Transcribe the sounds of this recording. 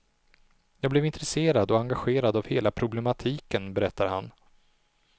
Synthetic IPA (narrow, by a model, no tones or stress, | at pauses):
jɑːɡ̚blɛvɪnt̪ɾɛseːɾad̪ɔaŋɡaɧeːɾad̪avheːlapʰɾʊblɛmat̪ʰiːkənbɛɾɛt̪ːaɾha̰n